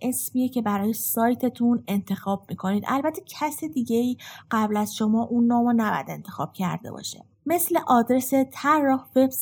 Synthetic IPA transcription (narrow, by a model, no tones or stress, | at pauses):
ʔe̞smijecʰe̞bæɾɒːjesɒːjt̪ʰe̞t̪ʰune̞nt̪ʰe̞xɒːb̥̚miːkʰo̞niːd̪ʔæ̰lbæt̪ʰecʰæsid̪iːɟe̞iːɢ̥æblæzʃo̞mɒːʔunːɒːmonæbɔ̰jæ̰d̪e̞̰nt̪ʰe̞xɒ̰ːb̥cʰæ̰ɾd̪ebɒ̰ʃḛ | me̞sle̞ʔɒːd̪ɾe̞se̞t̪ʰæɾːɒhve̞bs